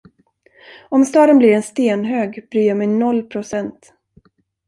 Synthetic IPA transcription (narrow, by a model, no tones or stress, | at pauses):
ɔmst̪ɑːd̪ənblɪɾɛnst̪eːnɦøːɡbɾyːjamɛjnɔlːpʰɾʊsɛnt̪